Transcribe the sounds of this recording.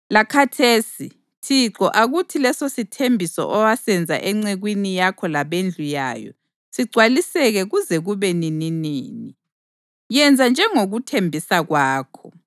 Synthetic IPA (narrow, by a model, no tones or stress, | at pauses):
lakʰatʰeːsi | tʰiǁɔʔaɣutʰilɛsositʰembʱisɔ̰ʔɔwasɛnd͡zʱa̰ʔɛŋ͡ǀɛɣwinijakʰɔlaβend͡ɮʱuja̰ːjɔ̰ | siɡ͡ǀʱwalisɛɣɛɣuzɛɣuβɛnininiːni | jɛnd͡zʱand͡ʒʱɛŋoɣutʰembʱisaɣwaːkʰɔ